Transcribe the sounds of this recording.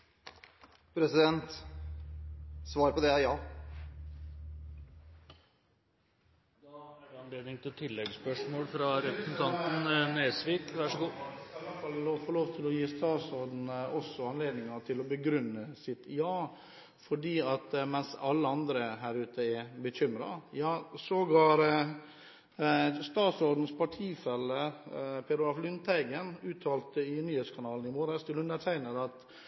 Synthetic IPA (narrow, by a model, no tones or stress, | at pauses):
pʰɾɛsɪd̪ɛnt̪ | sʋɑːɾəpɔd̪ɛjɑː | d̪ɑɑæʋɪɑnleːd̪nɪŋt̪ʰɪlt̪ʰɪlːɛɡspœʂmoːlfɾɑɾɛpɾəsn̩t̪ʰɑnt̪n̩neːsʋiːkʋæʂɔɡuːlɑfɑlloːfɔɭoːʋt̪ʰɪlɔjiːst̪ɑːsɔd̪nɔsːɔɑnleːd̪nɪŋɑt̪ʰɪlɔbəɡɾʉnːəsɪt̪jɑː | fɔɖiːɑt̪mɛnsɑlːəɑnd̪ɾəɦæːɾʉːt̪ʰəɛbəçʏmɾɑ̰jɑːsɔɡɑːɾ | st̪ɑːt̪sɔɾd̪n̩spʰɑʈʰiːfɛlːəpʰɛɾʊɑflʏnt̪ʰæɪɡənʉːt̪ʰɑːlt̪əɪnyːheːt̪skʰɑnɑːln̩ɪmoːɾəst̪ʰɪlʉnəʈʰæɪnəd̪ɑt̪